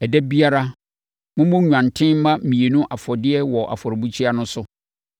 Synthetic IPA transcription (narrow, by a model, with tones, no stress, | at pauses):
ɛ˨dɛ˦bi˦a˦ɾa˦ | mʊ̃˦mʊ̃˦ɲᶣu˨ã˨n˨tʰɪ̃˦m˦mã˦mĩ˨e˨nʊ̃˦ʔa˨fɔ˨dɪ˦ɛ˦wɔ˨ʔa̰˨fɔ˨ɾbu˦t͡ɕʰᶣi˦a˦nʊ̃˦sʊ˦